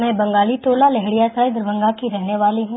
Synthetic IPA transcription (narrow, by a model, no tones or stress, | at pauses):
mɛ̃ːbɐ̃ŋɡaːlit̪oːlalɛɦɽijasaːɪd̪ɾʋə̃ŋɡakiɾɛɦneʋaːliɦũ